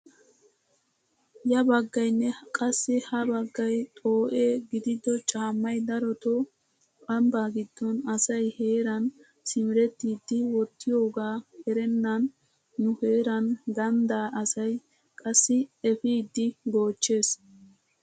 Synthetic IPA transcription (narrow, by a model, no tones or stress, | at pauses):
jɐbɐɡːɐjnːɛkʼɐsːɪhɐbɐɡːɐjt̪ʼo̞ːʔeːɡɪd̪ɪd̪ɔt͡ʃʼaːmːɐjd̪ɐɾɔt̪ɔ | pʼɐmbaːɡɪd̪ːɔnɐsɐjhe̞ːɾɐn | sɪmɪɾɛt̪ːiːd̪ːɪwɔt̪ːɪjo̞ːɡaːhɛɾɛnːɐnː | ʊheːɾɐnɡɐnd̪aːʔɐsɐj | kʼɐsːɪɛfiːd̪ːɪɡo̞ːt͡ʃːe̞ːs